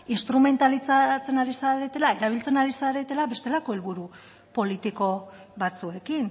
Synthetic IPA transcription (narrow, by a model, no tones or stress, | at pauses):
inst̪ɾume̞nt̪alit͡sat͡se̞naɾisaɾe̞t̪e̞lae̞ɾaβ̞ilt͡senaɾisaɾe̞t̪e̞laβe̞st̪e̞lako̞e̞lβuɾu | po̞lit̪iko̞ | βat͡sue̞kin